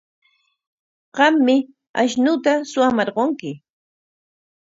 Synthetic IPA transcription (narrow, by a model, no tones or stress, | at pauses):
ɢɑmːɪ | aʃnʊt̪asʊamɑɾɢoŋkɪ